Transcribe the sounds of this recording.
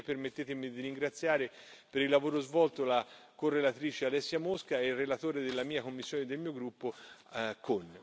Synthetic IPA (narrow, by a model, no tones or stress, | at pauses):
permet̪ːeːt̪emid̪iɾiŋɡɾat̪sːjaːɾepeɾilːavoːɾozvɔlt̪ola | korːelat̪ɾiːt͡ʃealɛsːjamoskaɛrːelat̪oːɾed̪elːamiːakomːisːjoːned̪elmiːoɡɾupːokon